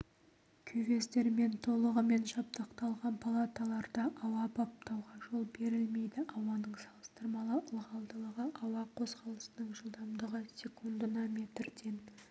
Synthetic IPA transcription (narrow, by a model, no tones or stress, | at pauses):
kʲʰɵve̞st̪e̞ɾme̞nt̪ʰo̞lˠəʁəme̞nʃɑp̚t̪əqt̪ɑlˠʁɑnpʰalˠat̪alˠɑɾd̪ɑʔɑwɑpʰop̚t̪ɑwʁɑʒo̞lˠbe̞ɾɪlme̞jd̪ɪʔɑwɑnəɴsɑlˠə̥st̪əɾmɑlˠəʔʊlˠʁɑlˠd̪əlˠəʁəʔɑwɑqʰo̞zqɑlˠəsənəɴʒəlˠd̪ɑmd̪əʁəsʲekund̪ənɑmʲe̞t̪ɾd̪e̞n